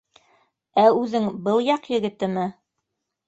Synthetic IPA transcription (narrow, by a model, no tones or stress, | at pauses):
æʉðɘŋbɤlˠjɑqjɘ̆ɡɘ̆t̪ɘ̆mɘ